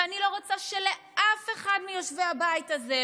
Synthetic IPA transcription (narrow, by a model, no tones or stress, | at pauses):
anilo̞ʁot͡saʃele̞ʔafe̞χadmijoʃveabaitaze